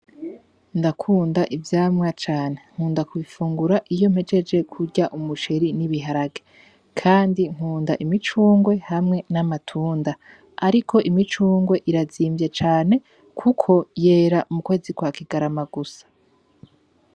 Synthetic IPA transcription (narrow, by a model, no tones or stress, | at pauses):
ndakʰuːndaʔivjaːmŋat͡ʃaːne̞ŋ̥uːndakuβifuːŋɡuɾaʔijo̞mhe̞d͡ʒe̞d͡ʒe̞kʰuɟaʔumuʃeɾiniβiɦaɾaɡe̥ | kʰaːndiŋ̥huːndaʔimit͡ʃuːŋɡwe̞hamŋe̞namatʰuːnda | aɾikʰo̞ʔimit͡ʃuːŋɡwe̞ʔiɾaziːmbjet͡ʃaːne̞ | kʰukʰo̞je̞ːɾaʔumukwe̞ːzikwakiɡaɾamaɡusḁ